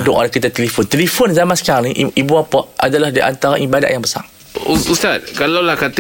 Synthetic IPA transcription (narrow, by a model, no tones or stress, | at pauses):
dʊʔɔnkit̪at̪elifont̪elifonzamãnsə̥kaɾiʔʔibuapɔʔ̪̚adalahdiʔa̰nt̪aɾanibada̰ʔjaŋbəsa̰ŋ | ust̪at̪̚kalawlahkat̪